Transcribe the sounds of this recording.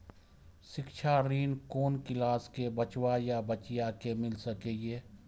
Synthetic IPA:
ʃɪkʃʰaɾiːnkoːnkɪlaːskebət͡ʃwajabət͡ʃɪjakemɪlsəkeːjeː

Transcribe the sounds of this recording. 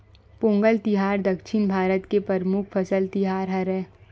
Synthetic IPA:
põːŋɡəlt̪ɪɦaːɾd̪ɐkʃɪnbʱaːɾət̪kepɐɾmʊkʰfʰɐsəlt̪ɪɦaːɾɦɐɾɛː

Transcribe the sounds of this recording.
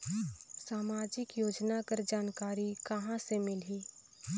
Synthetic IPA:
saːmaːd͡ʒɪkjoːd͡ʒnakəɾd͡ʒaːnkaːɾikɐɦãsemɪlɦiː

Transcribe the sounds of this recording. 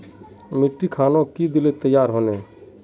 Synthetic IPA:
mɪʈːikʰaːnõkid̪ɪlet̪əjaːɾɦoːneː

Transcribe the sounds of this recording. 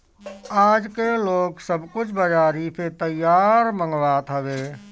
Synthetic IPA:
aːd͡ʒkeloːksəbkʊt͡ʃʰbəd͡ʒaːɾipʰet̪əjːaːɾmə̃ŋɡʋaːt̪ɦəʋeː

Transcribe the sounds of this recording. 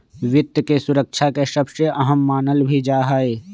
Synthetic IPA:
ʋɪt̪jkesʊɾəkʃʰakeʃɐbʃəʔɐɦəmːaːnəlbʱid͡ʒaːɦaːeː

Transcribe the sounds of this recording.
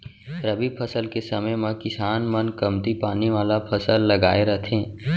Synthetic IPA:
ɾəbipʰəsəlkesəməjmẽkɪsaːnmənkəmt̪ipaːniʋaːlapʰəsəlːəɡaːeɾət̪ʰẽː

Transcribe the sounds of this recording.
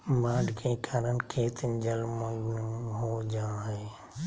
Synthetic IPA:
maːɖʱkʰeːkʰaːɾənkʰeːt̪ʰd͡ʒəlmə̃ɡnɦoːd͡ʒãːɦeː

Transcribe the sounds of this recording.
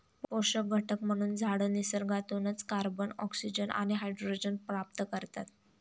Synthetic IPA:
ppoʂək̚ɡʱəʈʰəkm̤əɽ̃uːnd͡zʱaɽəːnisəɾɡʱat̪onət͡skaɾbənɔ̰ksid͡ʑəna̰ɽ̃iɦajɖɾoid͡ʑənpɾap̚t̪kəɾt̪at̪

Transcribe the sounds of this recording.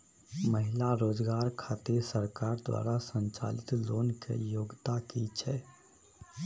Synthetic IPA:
məɦɪlaɾoːd͡ʒɡaːɾkʰaːt̪esəɾkaːɾd̪wa̰ːɾasə̃nt͡ʃa̰ːlɪt̪loːnkḛjoːɡt̪akit͡ʃʰɛː

